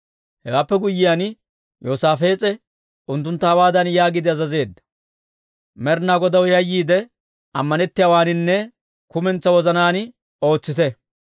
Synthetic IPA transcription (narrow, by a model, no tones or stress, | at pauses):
hɛwaːpːɛɡʊjːɪjan | joːsaːfe̞ːt͡sʼɛ | ʊnt̪ːʊnt̪ːɐɐwaːd̪ɐnjaːɡɪd̪ɪɐzɐze̞ːd̪ːɐ̥ | mɛɾnaːɡɔd̪ɐwjɐjːiːd̪ɛ | ɐmːɐnɛt̪ːɪjawaːnɪnːɛ | kʊmɛnt͡sːɐwɔzɐnaːn | o̞ːt͡sːɪt̪ɛ